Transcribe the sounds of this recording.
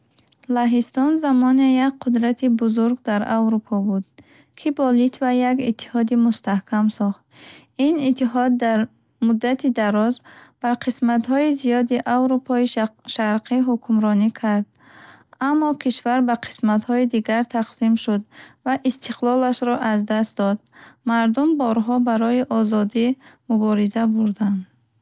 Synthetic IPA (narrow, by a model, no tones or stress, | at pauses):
laɦist̪ɔnzamɔnejak̚qʰud̪ɾat̪ʰibuzuɾɡd̪aɾavɾupʰɔbud̪̥̚ | kʰibɔlit̪vajaɡit̪ʰːi̥hɔd̪imust̪ahkʰamsɔχt̪ | init̪ʰːiɦɔd̪ːaɾ | mud̪ːat̪ʰid̪aɾɔzb̥aɾqʰismat̪ɦɔizijɔd̪iʔavɾupʰɔiʃaɾqʰiɦukʰumɾɔnikʰaɾd̪̚ | amːɔkʰiʃvaɾbaqʰi̥smat̪hɔid̪iɡaɾt̪ʰaqsimʃud̪vaʔist̪ʰiqlɔlaʃɾɔʔazd̪ast̪d̪ɔd̪maɾd̪umbɔɾɦɔbaɾɔiʔɔzɔd̪imubɔɾizabuɾd̪and̪